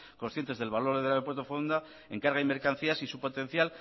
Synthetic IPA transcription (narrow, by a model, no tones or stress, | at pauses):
konsθjent̪e̞zðe̞lβalo̞ɾðaβopwe̞ɾt̪ofond̪a | eŋkaɾɣajme̞ɾkan̟θiasisupo̞t̪ẽ̞n̟θjal